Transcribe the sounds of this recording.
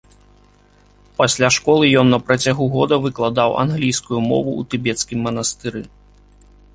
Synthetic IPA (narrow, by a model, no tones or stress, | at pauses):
pasʲlʲaʂkɔlˠɨjɔnːɐpɾɐt͡sʲaɣuɣɔd̪ɐvɨklˠad̪awʔa̰nɣlʲijskujumɔ̰vṵːt̪ɨbʲɛt̪skʲimːɐnɐst̪ɨɾɨ